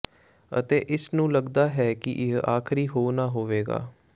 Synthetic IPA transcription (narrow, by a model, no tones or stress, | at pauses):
ə̰t̪eːʔɪsnũːləɡd̪aːɦɛːkɪʔɪɦaːkʰɾiːɦoːnaːɦoːʋeːɡa̰ː